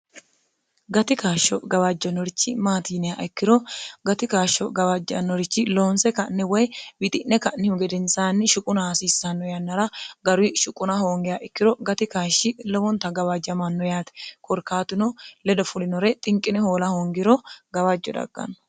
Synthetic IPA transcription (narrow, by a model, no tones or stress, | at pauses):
ɡɐt̪ɪkaːʃːɔɡɐwad͡ʒːɐnɔɾɪt͡ʃːɪmaːt̪iːnɛjaʔɛkːɪɾɔɡɐt̪ɪkaːʃːɔɡɐwɐd͡ʒːɐ̰nːɔɾɪt͡ʃːɪloːnsɛkɐnːɛwɔjbɪt̪ʼɪnːɛkɐnːɪhʊɡɛd̪ɛnsaːnːɪʃʊkʼʊnɐasiːsːɐnːɔjɐnːɐɾɐɡɐɾʊɪʃʊkʼːʊnɐhoːŋɡɪjaʔɪkːɪɾɔɡɐt̪ɪkaːʃːɪlɔwɔnt̪ɐɡɐwad͡ʒːɐmɐnːɔjaːt̪ɛ̥kʰɔɾkːaːt̪ʊnɔlɛd̪ɔfʊlɪnɔɾɛt̪ʼɪŋkʼːɪnɛhoːlɐhoːŋɡɪɾɔɡɐwad͡ʒːɔd̪ɐ̰ɡ̥ːɐ̰nɔ̥